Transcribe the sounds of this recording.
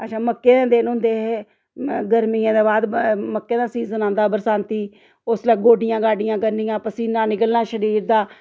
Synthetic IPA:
əʃʰãːməkːeːnẽːd̪eːnɦʊ̃ːnd̪eːɦeː | ɡəɾmijãːd̪eːbaːd̪məkːeːd̪aːsiːzənãːnd̪aːbəɾsãːnt̪iː | ʊslɛːɡoːɖɪjãːɡaːɖɪjãːkəɾnijãːpəsiːnãːnɪkəlnaːʃəɾiːɾd̪aː

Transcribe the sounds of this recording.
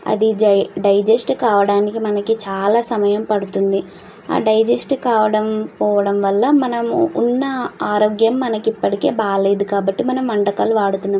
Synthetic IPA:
ɐ̰d̪iɖɐjd͡ʒesʈkaːʋɐɽaːnikimɐnɐkit͡ʃaːlaːsɐmɐjɐmpɐɽut̪und̪i | a̰ːɖɐjd͡ʒesʈkaːʋɐɽɐmpɔːʋɐɽɐmʋɐlːɐmɐnɐmṵnːɐaːɾoːɡjɐmːɐnɐkipːɐʈike̞̰ːbaːlɐjd̪ukaːbɐʈːimɐnɐmːɐɳɖɐkaːluʋaːɽut̪unːɐ

